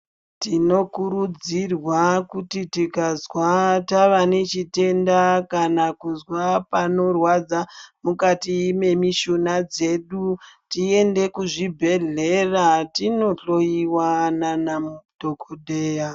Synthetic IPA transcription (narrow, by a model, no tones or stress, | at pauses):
tino̞kuɾud͡zirwakutitikazwataʋanet͡ʃite̞ndakanakuzwapano̞rwad͡zamukatime̞miʃonad͡ze̞ɗutie̞nde̞kuʐibʱe̞ɮe̞ratino̞ɬo̞jiwananamudʱo̞koɗeːja